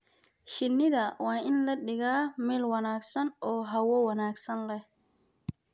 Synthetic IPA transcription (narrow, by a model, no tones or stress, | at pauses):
ʃɪnːɪðɐwaːʔɪnlɐɗɪɣaːmɛːlwɐnaːɡsɐnɔːɦɐwɔwɑnaːɡsɐnlɛh